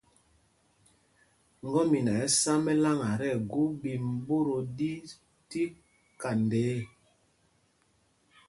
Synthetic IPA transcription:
ŋ˦ɡɔ˦mi˨na˨ɛ˦sa˦mɛ˦la˦ŋa˨ɾɛ˦˨ɡu˦bi˨m˦bo˦ɾo˨di˦ | ti˦ | ka˨nde˨˦

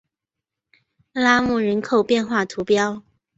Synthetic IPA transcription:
la˥mu˥˩ɻə˧˥nkʰo˥˩ʊpjɛ˥˧nxwa˥˩t̪ʰu˧˥pjɑ˥ʊ

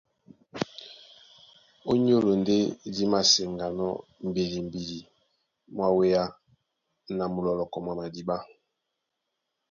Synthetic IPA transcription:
o˦ɲ˦o˦lo˨nde˦di˦ma˨se˨ŋɡa˨nɔ˦m̩˨be˨li˨m˨bi˨li˨ | mwa˦we˦ja˦ | na˨mu˨lɔ˨lɔ˨kɔ˨mwa˨ma˨di˨ba˦

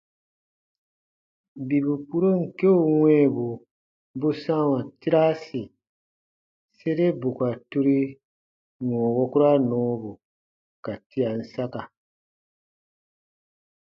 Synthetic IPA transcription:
bi˨bu˨pu˦ɾu˦ŋ̩˨ke˦o˦˨wɛ̃ː˦˨bu˨ | bu˦sã˦wã˨ti˦ɾa˦si˨ | se˦ɾe˦bu˨ka˨tu˦ɾi˦ | ŋɔ̃˨wɔ˦ku˦ɾa˦nɔ̃˦bu˨ | ka˨ti˦a˨n̩˦sa˦ka˨

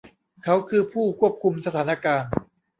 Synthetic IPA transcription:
kʰa˦˥wkʰɯː˧pʰuː˥˩kʰu˥˩əp̚kʰu˧msa˧t̪ʰaː˩˦na˧kaː˧n

